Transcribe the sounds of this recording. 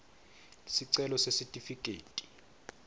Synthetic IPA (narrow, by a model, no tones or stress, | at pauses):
siǀɛlɔsesitʼifik̬ʼeːtʼi̥